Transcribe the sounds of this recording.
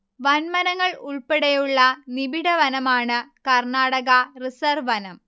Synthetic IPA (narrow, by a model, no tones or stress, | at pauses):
ʋɐnmɐnɐŋːɐɭuɭpeɽɐjuɭːɐnibiɽɐʋɐnɐmaːɳɨkɐrɳaːɽɐɣɐrisɐrʋɐnɐm